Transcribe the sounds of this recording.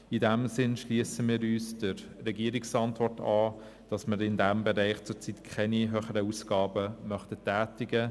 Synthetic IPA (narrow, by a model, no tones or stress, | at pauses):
idæmsɪnʃliəsəmiːɾyːsd̥əɾːɛɡiəɾiksɑntvɔrtʰɑː | d̥ɑsmɪɾɪndæmbɛɾæɪχt͡sʊɾt͡sitkʰɛniɦøχəɾəusɡ̥ɑːbəmœχtətæːtɪɡə